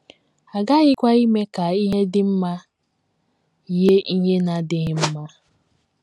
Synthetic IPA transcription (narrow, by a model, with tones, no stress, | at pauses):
a˨ɡa˦ɣɪ˦kʷa˦i˦me˦ka˨i˦ɦe˦dɪ˦m̩˦ma˦˨ | je˦ʔi˦ɲe˦na˨dɪ˨ɣɪ˦m̩˦ma˦